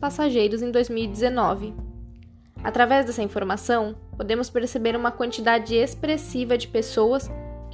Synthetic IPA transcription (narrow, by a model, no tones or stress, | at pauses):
pasaʒejɾʊzẽd̪ojzmiwid͡ʒ̪ɪzenɔvɪ | at̪ɾavɛzd̪ɛsɐĩfoɾmasɐ̃w̃pod̪ẽmʊspeɾsebeɾũmɐkwɐ̃nt͡ʃid̪ad͡ʒɪespɾesivɐd͡ʒɪpesowɐs